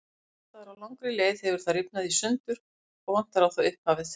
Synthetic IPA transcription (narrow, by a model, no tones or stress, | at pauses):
t̪aɾawlawŋkɾɪleːjðhɛvʏɾ̥θarɪpnaðisʏnt̪ʏɾ̥ | ɔɣvan̥t̪aɾawθoʏhphavɪθ